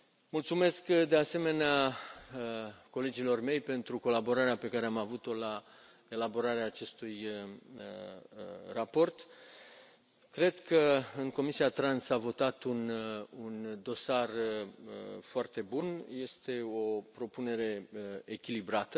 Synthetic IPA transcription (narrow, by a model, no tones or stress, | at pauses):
mult̪sume̞skd̪e̞ase̞me̞nea | ko̞le̞d͡ʒilo̞rme̞jpe̞nt̪ɾuko̞labo̞ɾaɾeape̞kaɾeamavut̪o̞la | e̞labo̞ɾaɾeaːt͡ʃe̞st̪ujə | rapo̞rt̪ | kɾe̞d̪kəɨŋko̞misiat̪ɾansavo̞t̪at̪unund̪o̞sarə̰foart̪e̞bunje̞st̪e̞o̞pɾo̞pune̞ɾe̞ekʲilibɾat̪ə